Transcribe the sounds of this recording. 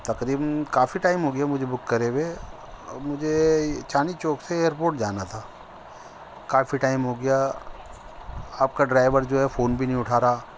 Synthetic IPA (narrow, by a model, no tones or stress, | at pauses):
t̪ɐqɾiːbənkaːfiʈaːɪmɦoːɡɐjamʊd͡ʒʱebʊkːɐɾewe | mʊd͡ʒʱet͡ʃaːnit͡ʃoːkseeːɾp̬oːɾʈd͡ʒaːnat̪ʰaː | kaːfiʈaːɪmɦoːɡɐja | aːp̚kaɖɾaːɪʋəɾd͡ʒoːɦɛfoːnbʱinɐɦĩʊʈʰaːɾaː